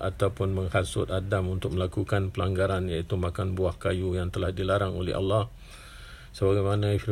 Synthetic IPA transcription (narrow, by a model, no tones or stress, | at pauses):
ʔat̪awpʊnməŋhasʊ̰t̪̚adamunt̪ʊk̚məlakukanpəlaŋɡaɾanjait̪umakanbuahkajujaŋt̪əlahdilaɾaŋolɛ̰ha̰lːɑh | səbaɡajmanãfi